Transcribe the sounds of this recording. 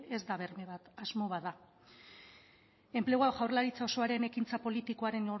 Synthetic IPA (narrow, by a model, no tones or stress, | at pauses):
e̞zd̪aβeɾmeβat̪azmo̞βaða | e̞mple̞ɣ̞oawɣawrlaɾit͡sao̞so̞aɾe̞ne̞kint͡sapo̞lit̪iko̞aɾe̞no